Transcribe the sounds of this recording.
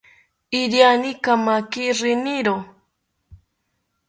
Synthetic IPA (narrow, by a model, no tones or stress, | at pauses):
iɾjanikamakiɾɪniɾo